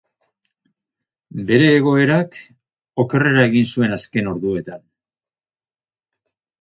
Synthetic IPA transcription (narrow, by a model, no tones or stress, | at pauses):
be̞ɾe̞ːɣ̞o̞e̞ɾak | o̞ke̞re̞ɾaeɣinsue̞naske̞no̞ɾðue̞t̪an